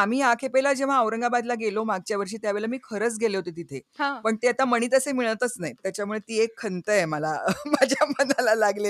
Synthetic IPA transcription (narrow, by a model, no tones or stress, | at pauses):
am̤iːakʰepelad͡ʑeʋ̤aəʋɾəŋɡabad̪laɡelomaɡ̚t͡ɕjaʋəɾʂiːt̪jaʋeɭlamiːkʰəɾət͡sɡʱeleɦot̪et̪it̪ʰeɦãpəɳt̪eat̪aməɽ̃iːt̪əsemiɭət̪ət͡snait̪jat͡ɕjamuɭet̪iːekʰːənt̪əeməlamad͡ʑʱjamənalalaɡle